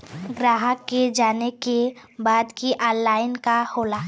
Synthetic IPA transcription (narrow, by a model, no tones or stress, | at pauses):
ɡɾaːɦəkːed͡ʒaːneke | baːd̪kiʔaːlaːɪnkahoːlaː